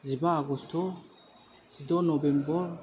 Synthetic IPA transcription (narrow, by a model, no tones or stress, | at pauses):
zibaːɡɔst̪ʰɔ | z̥id̪ɔnɔbɛmbɔɾ